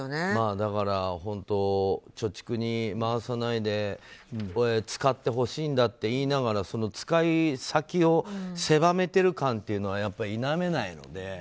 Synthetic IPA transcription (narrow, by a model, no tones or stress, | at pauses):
nemaːd̪akaɾahõ̞nt̪o̞t͡ɕo̞t͡ɕi̥kɯ̟ɲ̟imaasanaid̪e̞ | et͡sɨ̥kat̪ːe̞ɦo̞ɕiːnd̪at̪ːe̞iːnaɡaɾaso̞no̞t͡sɨ̥kaisakʲio̞se̞bame̞t̪e̞ɾɯ̟kãnt̪ːe̞iɯ̟no̞βajapːaɾʲiːname̞naino̞̰d̪e̞